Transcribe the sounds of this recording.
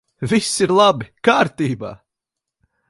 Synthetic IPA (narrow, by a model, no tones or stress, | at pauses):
visiɾlˠabikaːɾt̪iːba̰ː